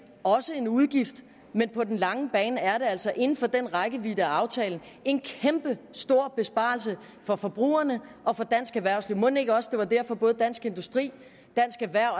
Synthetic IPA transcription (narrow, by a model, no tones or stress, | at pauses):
ɒ̽səe̝nuðˠɡ̥ifd̥ | menpʰɒ̽d̥enlɑ̈ŋəb̥ɛːnæɐɾe̝æl̰sɒ̽ʔe̝nn̩fɒ̽d̥enʁɑɡ̥əʋid̥æɑ̈ʊt͡sʰɛːln̩ | e̝nkʰemb̥əsd̥o̝ɐ̰b̥e̝sb̥ɑ̰̈ls̬ə | fɒ̽fɒ̽b̥ʁṵːɐnəʔɒ̽fɒ̽d̥æn̰sɡ̥æʋæɐ̰ʊsliʊmɔ̽ne̝ɡ̥əɒ̽səd̥e̝ʋɑ̈d̥æɐ̰fɒ̽b̥ɔ̽ːð̞̩ˠd̥æn̰sɡ̥e̝nd̥usd̥ʁḭː | d̥æn̰sɡ̥æʋæɐ̰